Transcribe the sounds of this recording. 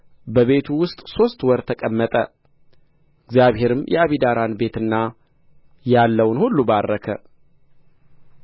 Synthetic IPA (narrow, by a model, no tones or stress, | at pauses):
bəβe̞t̪ʰuwʊst̪ʼso̞st̪wɔɾt̪ʰəkʼəmːət̪ʼə | ɪɡzjaβhe̞ɾɨmjʔɛ̰aβid̪aɾanbe̞t̪ɨnːa | jalːəwnhulːubarːəkʰə̰